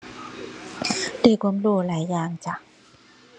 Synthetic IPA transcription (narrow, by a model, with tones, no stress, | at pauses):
daː˧˩kuː˧˥˦mluː˧˩laː˩˦jːaː˨˩ŋt͡ɕa˧˩